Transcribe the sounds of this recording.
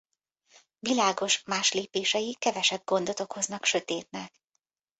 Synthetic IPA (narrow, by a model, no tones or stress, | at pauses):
vilaːɡo̞ʃmaːʃleːpeːʃɛjikɛvɛʃɛb̚ɡo̞nd̪o̞t̪o̞kho̞znɒkʃø̞t̪eːt̪nɛk